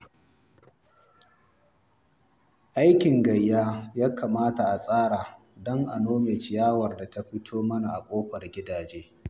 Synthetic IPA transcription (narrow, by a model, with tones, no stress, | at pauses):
ʔa˦jkʲɪ˨ŋɡɐ˨jːaː˦jaː˦kaː˨maː˦ta˨ʔa˨sʼaː˦ɽaː˨ | dɔ˦ŋʔa˨noː˦meː˨t͡ʃɪ˨jaː˦wɐ˨rda˨ta˦ɸɪ˦tʰoː˦mɐ˦na˨ʔa˨kʷʼoː˦ɸɐ˨rɡʲɪ˦daː˨d͡ʒeː˦